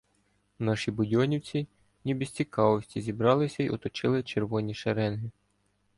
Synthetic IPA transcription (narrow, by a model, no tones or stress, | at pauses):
nɑʃibʊdʲɔnʲiwt͡sʲi | nʲibɪsʲt͡sʲikɑʋɔsʲtʲizʲibɾɑlˠɪsʲɐiɔt̪ɔt͡ʃɪlˠɪt͡ʃerʋɔnʲiʃeɾɛnɦɪ